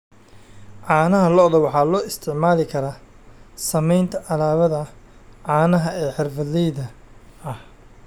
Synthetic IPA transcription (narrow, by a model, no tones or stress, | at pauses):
ʕɑːnɐɦɐlɔʔðɐwɑħɑːlɔːɪst̪ʰɪʕmaːlɪkʰɐɾaː | sɐmɛjnt̪ʰɐʔɐlaːβɐðɐʕɑːnɐɦɐɛːħɪrfɐðɛjðɐ | ɐh